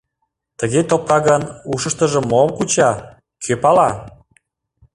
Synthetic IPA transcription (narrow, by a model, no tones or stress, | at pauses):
t̪əɣet̪op̚kɑɣənuʃə̆ʃt̪ə̆ʒə̆mːomkut͡ɕɑ | kʰøpɑlɑ